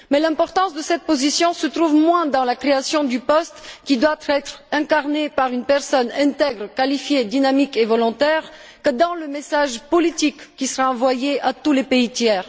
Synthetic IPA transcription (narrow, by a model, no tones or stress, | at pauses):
mɛlɛ̃pɔʁt̪ɑ̃sd̪əsɛt̪̚pozisjɔ̃sət̪χuvmwɛ̃d̪ɑ̃lakχeasjɔ̃d̪ypɔst̪kʲid̪wat̪χɛt̪χɛ̃kaʁnepaʁynpɛʁsɔnɛ̃t̪ɛɡʁkalifjed̪inamikevɔlɔ̃t̪ɛʁ | kəd̪ɑ̃ləmesaʒpɔlit̪ikːisəʁaɑ̃vwajeʔat̪ulepeit̪jɛːʁ